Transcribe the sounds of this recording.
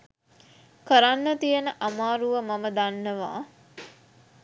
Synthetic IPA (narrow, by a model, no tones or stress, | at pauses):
kəɾanːət̪ijənəʔamaːɾuʋəmaməd̪anːəʋa̰ː